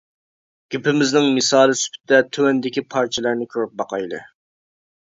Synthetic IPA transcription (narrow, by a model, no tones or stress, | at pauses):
ɡ̥ʲypɪmɪznɪŋmɪsɑːlˠɪsy̥pʰɪ̥t̪ɪd̪ɛt̪ʰøwɛnd̪ɪkʲipʰɑɾt͡ʃʰɛlˠæɾnɪkʲʰøɾyp̚bɑqʰɑjlˠɨ̰